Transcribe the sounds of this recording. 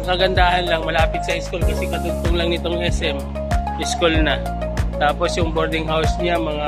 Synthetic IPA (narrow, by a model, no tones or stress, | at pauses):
kɐɡɐnd̪aːhɐnlaŋmɐlaːpɪt̪sɐʔɪskulkɐsɛkɐd̪ʊɡ̚t̪oŋlɐŋnɪt̪oŋɛsʔɛm | ʔɪskulnɐ | t̪aːpo̞sjʊŋboɾd̪ɪŋɦawsnɪamɐŋa